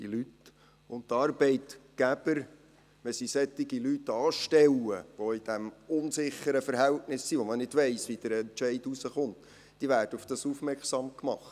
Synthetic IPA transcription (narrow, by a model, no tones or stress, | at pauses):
dḭlyt | ʊnttːɑːɾbɛɪtɡ̥æb̥əɾ | mɛsisɛt̪ːɪɡilytːɑːʃtɛlːəʋoɪd̥æmʊnsɪχəɾəfəɾɦɛltnɪsːiːʋɔmənɪd̥ʋɛɪsʋid̥əɾɛnt͡ʃɛɪdusəχʊnt | d̥iːʋæːɾd̥əʊfd̥ɑsufmɛɾksɑmkmɑχt